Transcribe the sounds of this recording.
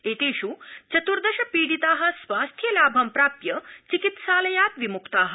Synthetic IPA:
eːt̪eːɕuːt͡ɕɐt̪uɾd̪ɐɕɐpiːɽit̪aːɦɐ̆sʋaːst̪ʰjɐlaːbʱɐmpɾaːpjɐt͡ɕikit̪saːlɐjaːt̪ʋimukt̪aːɦɐ

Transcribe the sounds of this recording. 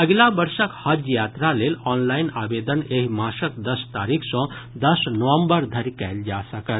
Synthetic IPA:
ɐɡlabəɾʃəkhɐd͡ʒjaːt̪ɾaleːlɔːnlainaːʋeːd̪əneɦimaːʃəkd̪ɐst̪aːɾikʰsɔ̃ | d̪əsnəʋə̃mbəɾd̪ʱɐɾikɛld͡ʒasɐkəɾ

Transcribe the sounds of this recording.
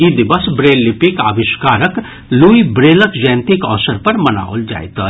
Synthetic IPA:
id̪ɪbɐsbɾeːlːɪpɪka̰ːʋɪʃkaːɾək | luːibɾeːləkd͡ʒɛ̃ːnt̪ikɔ̰ːsəɾpɐɾmɐna̰ːo̰ld͡ʒa̰ːjt̪a

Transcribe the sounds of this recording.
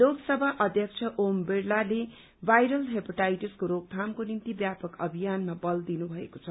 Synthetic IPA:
loɡsʌbʱaʔʌd̪ʱjʌkt͡sʰʌʔombeɽlale | bʱajɾʌlɦepʌʈajʈiskoɾoɡ̚t̪ʰamkonint̪ibjapʌkʌbʱijanmabʌld̪inubʱʌḛkot͡sʰʌ

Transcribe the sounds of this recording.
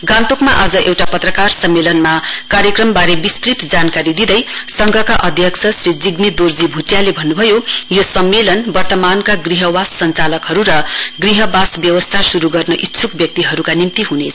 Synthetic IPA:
ɡãnt̪okmaʔad͡zʌʔewʈapʌt̪rʌkarsʌmːelʌnmakaɾjʌkrʌmbaɾebist̪rit̪d͡zankaɾid̪id̪ʌjsʌŋɡʱʌkaʔʌd̪ʱjʌkt͡sʰʌsrid͡ziɡmid̪ord͡zibʱutjalebʱʌnːubʱʌjojosʌmːelʌnbʌrt̪ʌmankaɡriɦʌwasːʌnt͡salʌkɦʌɾuɾʌɡriɦʌbasbjʌwʌst̪ʰasuɾuɡʌrnʌʔit̪ːsʰukbjʌk̚t̪iɦʌɾukanimt̪iɦunet͡sʰ

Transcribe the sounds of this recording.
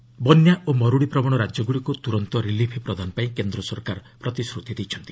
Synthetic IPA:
bɔnjaomɔɾuɽipɾɔmɔɽ̃ɔɾad͡ʒjɔɡuɭikut̪uɾɔnt̪ɔɾilipʰpɾɔd̪ʱanɔpaĩkend̪ɾɔsɔɾkaɾpɾɔt̪isɾut̪ʰid̪ejt͡ʃʰɔnt̪i̥

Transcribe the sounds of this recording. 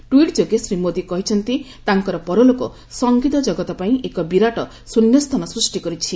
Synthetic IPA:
ʈuiʈd͡ʒoɡesɾimod̪ikɔɦit͡ʃʰɔnt̪i | t̪aŋkɔɾɔpɔɾolokɔ | sɔŋɡit̪ɔd͡ʒɔɡɔt̪ɔpaĩʔekɔbiɾaʈɔ | sunjɔst̪ʰɔnɔsɾusʈikɔɾit͡ʃʰi

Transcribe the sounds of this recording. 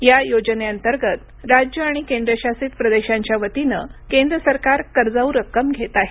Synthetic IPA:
jajod͡ʑneənt̪əɾɡət̪ | ɾad͡ʑjəaɽ̃ikend̪ɾəɕasiːt̪pɾəd̪eɕãɲt͡ɕjaʋət̪inə̰kẽnd̪ɾəsəɾkaɾkəɾd͡zauɾəkːəmɡʱet̪aɦe

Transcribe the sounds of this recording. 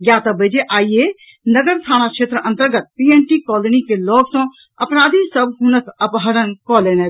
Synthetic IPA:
jjat̪əbəd͡ʒeʔaːije | nəɡəɾt̪ʰaːnakʃeːt̪ɾəʔə̃nt̪əɾɡət̪̚pieɳʈikɔlənikeloːɡsɔ̃ | əpnaːd̪ʱisəbʱɦunət̪ʰəpɦəɾənkɔlenɛ

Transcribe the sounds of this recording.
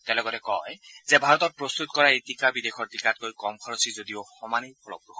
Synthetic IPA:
tɛlɔɡɔtɛkɔjzɛbʱaɹɔtɔt̚pɹost̪utkɔɹaejtikabidexʰɔɹtikat̚kojkɔmkʰɔɹɔsizodioxɔmanipʰɔlɔ̰kɹux

